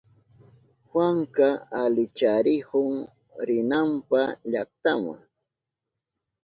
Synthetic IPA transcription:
hwaŋkaalɪt͡ʃaɾɪhʊŋ | ɾɪnampaʎak̚t̪ama̰ŋ

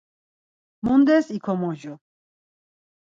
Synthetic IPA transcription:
mund̪ɛsikʰɔmɔʒɔ

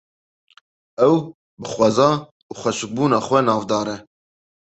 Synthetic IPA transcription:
ɛw | bɨxwɑzɑː | uːxʷɛʃɨk̚buːnɑːχʷwɛnɑːvd̪ɑːɾɛ

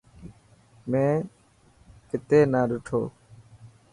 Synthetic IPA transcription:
mẽː | kɪt̪eːnaːɗʊʈʰo̰ː

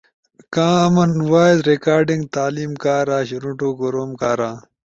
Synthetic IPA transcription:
kãːɐmɐnwaːed̪ɾekaːɾɖĩŋɡt̪aːliːmkaːɾãːɕiɾũʈoːɡoɾoːmkaːɾãː

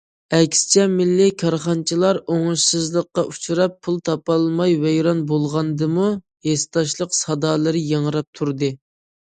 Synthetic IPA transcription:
ɛkʲst͡ʃʰɛmɪlːɪkʰɑɾχɑnt͡ʃʰilˠɑɾoŋʊʃsɨzlˠəqːɑʔut͡ʃʰuɾɑpʰːulˠt̪ʰɑpɑlˠmɑjvɛjɾɑnbolˠʁɑnd̪ɨmu | hest̪ɑʃlˠəqsɑd̪ɑːlˠɨɾɨjeŋəɾɑp̚t̪ʰuɾd̪ɨ

